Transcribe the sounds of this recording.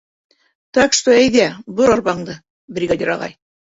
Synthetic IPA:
t̪ækʃt̪oæjðæbɤɾɑɾbɑɴd̪ɤ | brʲiɡad̪ʲiɾɑ̰lˠɑ̰j

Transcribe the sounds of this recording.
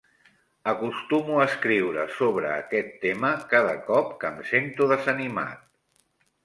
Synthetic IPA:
əkust̪umuəskɾiwɾəsoβɾəːkɛt̪ːeməkaðəkɔp̚kəmsent̪uðəzənima̰t̪̚

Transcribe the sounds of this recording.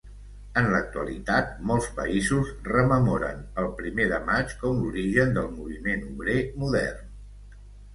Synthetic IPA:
ənlək̚t̪uə̰lḭt̪at̪̚mɔlˠspə̰izuzrəməmɔɾə̰nəlˠpɾimeðəmat͡ʃkɔmluɾiʒənd̪əlˠmuβ̞imenuβɾemuðɛ̰rn

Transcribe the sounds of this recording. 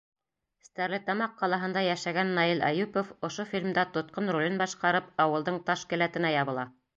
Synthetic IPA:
st̪æɾlɘt̪ɑmɑqːɑlˠɑɦɤ̆nd̪ɑjæʃæɡænːɑilæ̰jʉpofŏʃofʲilʲmd̪æt̪ŏt̪̚qɤnrulʲɘnbɑʃqɑɾɤpɑwɤ̆lˠd̪ɤɴt̪ɑʃkɘ̆læt̪ɘ̆næjɑβɤ̆lˠɑ

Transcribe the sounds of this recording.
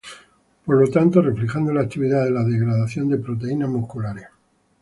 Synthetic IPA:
po̞ɾlo̞t̪ant̪o̞re̞flexand̪o̞laːk̚t̪iβiðaðe̞laðe̞ɣɾaðaθjo̞nd̪e̞pɾo̞t̪̬e̞inamuhkulaɾja

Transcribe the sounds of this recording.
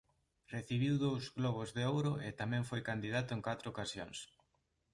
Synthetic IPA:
reθiβ̞iwðowzɣlɔβ̞ozðeowɾʊet̪amɛ̃ŋfojkand̪iðat̪ʊeŋkat̪ɾookasjo̰ŋs

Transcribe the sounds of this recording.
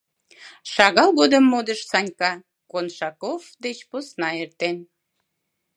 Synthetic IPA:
ʃɑɣɑlˠɣod̪əmːod̪əʃsɑnʲkɑ | konʃɑkovd̪et͡ɕposnɑert̪en

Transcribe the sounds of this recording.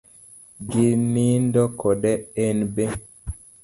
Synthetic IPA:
ɡinindɔkɔɗɛenbe

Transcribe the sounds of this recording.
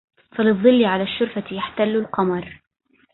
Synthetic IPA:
falɨðˤːɨlːɪʕalaːʃːʊɾfajaħt̪alːʊlqɑmɑɾˤ

